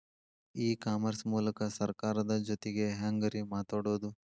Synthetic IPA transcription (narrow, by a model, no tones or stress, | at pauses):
iːkaːmɐɾsmuːlɐkɐsɐɾkaːɾɐd̪ɐd͡ʒot̪eɡe̞ɦaŋɡɐɾimaːt̪aːɽuʋd̪u